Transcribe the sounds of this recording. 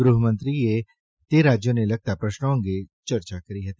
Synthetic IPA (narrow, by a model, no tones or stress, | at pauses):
ɡɾʊɦəmə̃nt̪ɾije | t̪eɾaːd͡ʒjõnelɐɡ̚t̪apɾɐʃnõɡit͡ʃɐɾt͡ʃakɐɾiɦɐt̪i